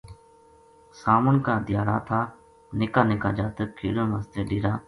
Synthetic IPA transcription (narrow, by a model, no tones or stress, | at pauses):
saːmənkaːd̪ɪjaːɾaːt̪ʰaː | nɪkaːnɪkaːd͡ʒaːt̪əkʰḭːɽõːməst̪eːɗiːɾaː